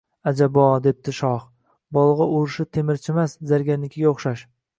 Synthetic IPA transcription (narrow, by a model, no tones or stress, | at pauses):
ad͡ʒabɒd̪e̞p̚t̪ɪʃɒχ | bɒlˠʁɑʊɾɪʃɪt̪ʰe̞mɪɾt͡ʃʰɪmaszaɾɡʲaɾnɪkʲːɪɡʲaoχʃaʃ